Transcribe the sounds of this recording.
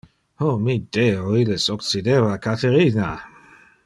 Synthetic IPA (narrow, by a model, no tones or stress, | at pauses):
omid̪̥eoilesokt͡sid̪evakat̪eɾina